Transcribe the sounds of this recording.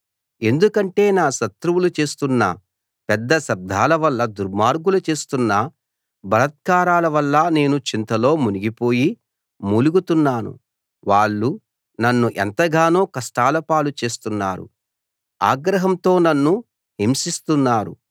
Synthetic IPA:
e̞nd̪ukɐɳʈe̞ːnaːʃɐt̪ɾuwulut͡ʃe̞ːst̪unːɐ̰ | pɛd̪ːɐsɐb̚d̪ʱaːlɐʋɐlːɐd̪uɾmaːɾɡulɐt͡ʃe̞ːst̪unːɐ | bɐlɐt̪̚kaːɾaːlɐʋɐlːɐne̞ːnut͡ʃint̪ɐlo̞ːmuniɡipo̞ːji | muluɡut̪unːaːnṵ | ʋaːɭːu | nɐnːuʔɛnt̪ɐɡaːnoːkɐʂʈaːlɐpaːlut͡ʃe̞ːst̪unːa̰ːɾṵ | a̰ːɡɾɐɦɐmt̪o̞ːnɐnːu | ɦimsist̪unːaːɾṵ

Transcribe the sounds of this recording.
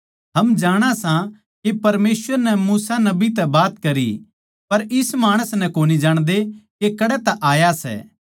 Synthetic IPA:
ɦɐmd͡ʒaːɽ̃asã | kepɐɾmeːsʋəɾnɛmuːsanɐbit̪ɛbaːt̪kɐɾḭ | pɐɾɪsmaːɽ̃əsnɛ̃koːnid͡ʒaːɽ̃d̪ekekɐɽɛt̪ɐʔaːjasɛ̰ː

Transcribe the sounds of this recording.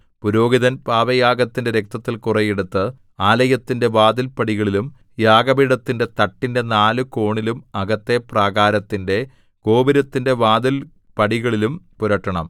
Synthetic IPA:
puɾo̞ːɡiðɐnpaːʋɐjaːɡɐt̪ːinde̞ɾek̚t̪ɐt̪ːilkurɐjeɽut̪ːɨ | aːlɐjɐt̪ːinde̞ʋaːd̪ɐlpɐɽiɣɐɭilum | jaːɡɐbiɽɐt̪ːinde̞t̪ɐʈːinde̞naːlɨko̞ːɳilumɐɡɐt̪ːe̞praːɡaːɾɐt̪ːinde̞ | ɡ̥o̞ːbiɾɐt̪ːinde̞ʋaːd̪ɐl | pɐɽiɣɐɭilumpuɾɐʈːɐɳɐm

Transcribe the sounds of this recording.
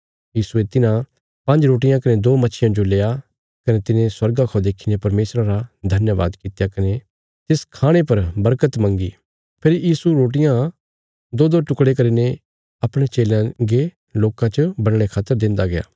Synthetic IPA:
jiːsuet̪ɪnã | pɐ̃ɲd͡ʒɾoːʈ̬ɪjãkɐned̪oːmɐːʃʰɪjãd͡ʒoleːa | kɐnet̪ɪnẽswɐɾɡakʰod̪eːkʰinepɐɾmeːsɾaɾad̪ʱɐnjəʋa̰ːd̪kit̪jakɐne | t̪ɪskʰaːɽ̃epɐɾbɐɾkət̪mɐ̃ŋɡiː | pʰɪɾjiːsuɾoːʈ̬ɪjã | d̪oːd̪oʈʊkɽek̬ɐɾine | ɐpɽ̃et͡ʃeːlãɡe | loːkãt͡ʃbɐnɽ̃ekʰaːt̪əɾd̪ɪ̃nd̪aɡeja̰ː

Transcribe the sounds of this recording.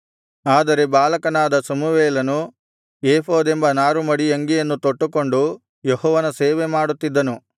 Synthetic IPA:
aːd̪ɐɾe̞baːlɐkɐnaːd̪ɐsɐmuʋeːlɐnu | eːpʰoːd̪embɐnaːɾumɐɽijɐŋɡijɐnːut̪oʈːuko̞ɳɖu | jeɦɔːʋɐnɐseːʋemaːɽut̪ːid̪ːɐnu

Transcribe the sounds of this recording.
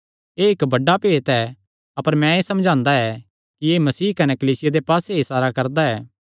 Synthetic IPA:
eːɪkbɐɖːapeːt̪ɛ | ɐpəɾmɛ̃eːsɐ̃md͡ʒʱãːnd̪aɛ | kieːmɐsiːkɐnɛkɐliːsɪjad̪epaːseisaːɾakɐɾd̪aɛː

